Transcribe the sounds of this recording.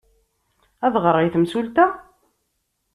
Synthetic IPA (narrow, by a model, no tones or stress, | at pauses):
æðʁəɾˤijθəmsult̪æ